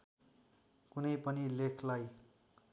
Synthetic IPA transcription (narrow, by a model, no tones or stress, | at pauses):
kunʌjpʌnilekʰlaj